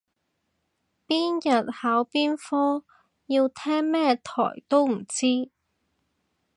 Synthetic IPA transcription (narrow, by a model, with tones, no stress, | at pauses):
piː˥njɐ˨t̚haː˨˥wpiː˥nfɔː˥ | jiː˧wt̪ʰɛː˥ŋmɛː˥t̪ʰɔ̰ː˨˩jt̪o˥wm̩˨˩t͡siː˥